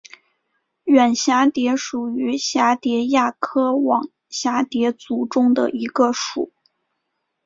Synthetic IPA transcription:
ɥɛ˨˩nɕja˧˥t̪jɛ˧˥ʂu˨˩y˧˥ɕja˧˥t̪jɛ˧˥ja˥˩kʰɤ˥wɑ˨˩ŋ | ɕja˧˥t̪jɛ˧˥t͡su˧˥ʈ͡ʂʊ˥ŋd̪ə̰˨ʔi˧˥ɡə˧ʂṵ˨˩˦

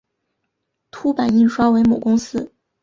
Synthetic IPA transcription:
t̪ʰu˥pa˨˩ni˥˩ʂwa˥we˧˥ɪmo˨˩kʊ˥ŋsɹ̩˥

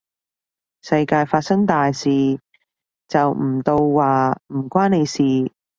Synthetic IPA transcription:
sɐ˧jkaː˧jfaː˧t̚sɐ˥ŋt̪aː˨˩jsiː˨ | t͡sɐ˨wm̩˨˩t̪o˧wːaː˨m̩˨˩kʷwaː˥ne˨˧jsiː˨˩

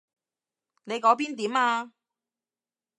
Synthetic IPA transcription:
ne˨˧jkɔː˨˥p̬iː˥nt̪iː˨˥maː˧

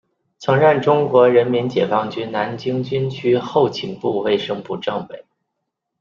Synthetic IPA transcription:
t͡sʰɤ˧˥ŋɻə˥˩nʈ͡ʂʊ˥ŋkwɔ˧˥ɻə˧˥nmi˧˥nt͡ɕjɛ˨˩fɑ˥ŋt͡ɕy˥na˧˥nt͡ɕi˥ŋt͡ɕy˥nt͡ɕʰy˥xo˥˩ʊt͡ɕʰi˧˩ŋpu˥˧we˥˩ɪʂɤ˥ŋpu˧˩ʈ͡ʂɤ˥˩ŋwe˨˩˦ɪ

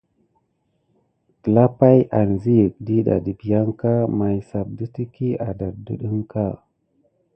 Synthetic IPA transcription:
kə˨la˦pa˦jʔa˨nzi˦jə˨k̚di˦ɗa̰˨di˨bi˨ja˦ŋka˦ma˨jsa˨b̚də˦ti˦ki˦a˨da˨dṵ˦ɗə˦ŋka˦˨

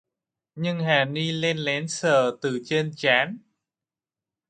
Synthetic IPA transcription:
ɲɨ˧ŋɦaː˨˩ni˧le˧nlɛ˨˦nsəː˧˩t̪ɨ˨˩t͡ɕe˧nt͡ɕaː˨˦n

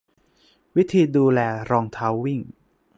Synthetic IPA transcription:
wi˦˥t̪ʰiː˧duː˧lɛː˧ɾɔː˧ŋt̪ʰaː˦˥wːi˥˩ŋ

